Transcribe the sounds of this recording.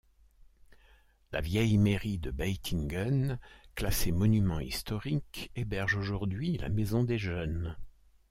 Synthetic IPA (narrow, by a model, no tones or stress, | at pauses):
la̰vjɛjmeʁid̪əbajt̪ʰiŋɡənklasemɔnymɑ̃ist̪ɔʁikebɛʁʒoʒuʁd̪ɥila̰mezɔ̃d̪eʒœn